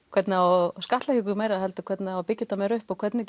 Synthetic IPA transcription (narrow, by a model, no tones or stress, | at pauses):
kʰvɛt̪nɪawskaht̪lɛhkcɪkʏmejɾaðhɛlt̪ʏkʰvɛt̪nɪawpɪcːɪt̪amɛɾʏhpakʰvɛt̪nɪ